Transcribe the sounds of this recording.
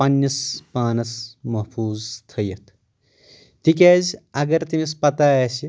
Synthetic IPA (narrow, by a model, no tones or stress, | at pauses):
pɐnjɐspaːnɐsmɐɦpʰuːzt̪ʰɐjɐt̪ʰ | t̪ikʲaːzʲɐɡɐɾt̪imispɐt̪aːɐsi